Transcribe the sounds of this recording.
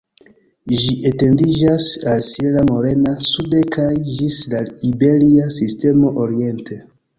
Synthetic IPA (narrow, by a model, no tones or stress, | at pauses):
ʒiʔete̞ndid͡ʒasalsielamo̞ɾe̞nasudekʰajʒislaibe̞liasiste̞mo̞ʔoɾie̞ntʰe